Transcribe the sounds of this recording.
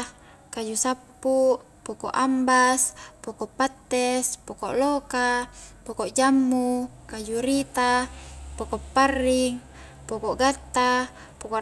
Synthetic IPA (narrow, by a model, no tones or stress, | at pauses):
kad͡ʒusapːu | pokoʔambaspokopːat̪ːespokoʔlokapokoʔd͡ʒamːukad͡ʒuɾit̪apokopːarːiŋ | pokoʔɡat̪ːa | poko